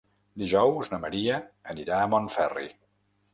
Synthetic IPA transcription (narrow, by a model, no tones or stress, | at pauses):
d̪iʒɔwznəməɾiəːniɾaəmonfɛrḭ